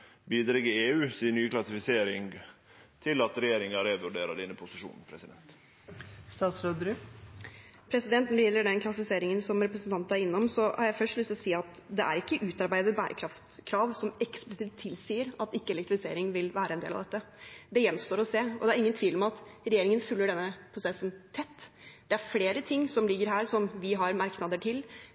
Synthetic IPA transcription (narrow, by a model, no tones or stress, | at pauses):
biːd̪ɾɛɡəeːʉːsinyːkʰlɑsɪfɪseːɾɪŋ | t̪ʰɪlɑt̪ɾɛjeːɾɪŋɑɾeːʋʉɖeːɾɑ̰d̪ɛnːəpʰʊsɪʂṵːnn̩pʰɾɛsɪd̪ɛnt̪ | st̪ɑːsɾød̪ɾʉ | pʰɾɛsɪd̪ɛnt̪nɔɖɛjɛlːəɖɛnkʰlɑsɪfɪseːɾɪŋənsɔmɾɛpɾəsnt̪ʰɑnt̪æɾɪnːɔmsɔhɑɾjæɪfœʂʈlʉst̪siːɑt̪d̪ɛʔæ̰ɾɪkːəʔʉːt̪ɑɾbæɪd̪ət̪̚bæːɾʔə̰kʰɾɑft̪kʰɾɑːʋsɔmɛksplɪsɪːt̪ʰːɪlsiːəɾɑt̪ɪkːəɛlɛkt̪ɾɪfɪsḛːɾɪŋʋɪlʋæːɾəɛnḛːlɑʋd̪ɛt̪ːəd̪ɛjɛnːst̪oːɾɔseːɔ̰d̪ɛæɾɪŋənt̪ʰʋiːlɔmɑt̪ɾɛjeːɾɪŋənfʉlːəɖɛnːəpʰɾʊsɛsːənt̪ʰɛt̪ːd̪̥ɛæɾfleːɾət̪ʰɪŋːsɔmlɪɡːəɾɦæːɾsɔmʋɪɦɑɾmɑɾknɑd̪əʈʰɪl